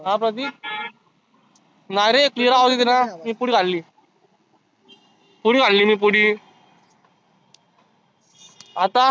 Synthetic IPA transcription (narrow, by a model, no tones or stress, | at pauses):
ɦãpɾət̪̬i | najɾeekliɾaɦot̪it̪inamiːpuɽiːkaɽliː | puɽiːkaɽliːmiːp̬uɽiː | at̪a